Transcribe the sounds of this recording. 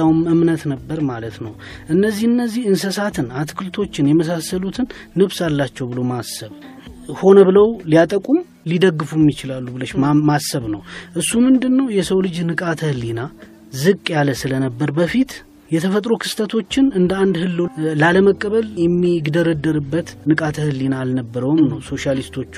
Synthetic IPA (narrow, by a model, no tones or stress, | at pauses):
awmɨmnət̪nəbːəɾmalət̪nəw | ʔɨnːəzːihɨnːəzːihɨnsəsat̪ʰɨnat̪ʰkʰɨlt̪ʰo̞t͡ʃːɪnjɛməs̬asːəlut̪ʰɨnː | ɨβsalːat͡ʃːɛwbɨlo̞masəβ | ho̞nəβɨləwlijat̪ʼəkʼum | lid̪əɡːɨfumːɪt͡ʃɪlalːubɨləʃmasːəβnə̰wʔɨsːumɨnd̪ɨnːəwjɛsəwlɨd͡ʒnɨkʼat̪ʰəhɨlːina | zɨkʼːjaləsɨlənəbːəɾbəfit̪ | jɛt̪ʰəfət̪ʼɾokʰɨ̥st̪ʰət̪ʰo̞t͡ʃːɪnɨnd̪əand̪hɨlːolaləməkʼːəβəljɛmːiɡd̪əɾəd̪ːəɾɨbːət̪nɨkʼat̪ʰəhɨlːinaːlnəbːəɾəwɨmnəwso̞ʃalist̪ʰo̞t͡ʃː